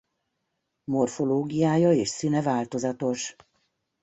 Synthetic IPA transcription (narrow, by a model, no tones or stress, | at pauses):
mo̞rfo̞loːɡijaːjɒeːʃsinɛvaːlt̪o̞zɒt̪o̞ʃ